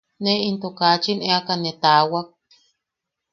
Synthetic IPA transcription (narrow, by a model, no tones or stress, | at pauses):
neint̪okat͡ʃineakanːet̪awak̚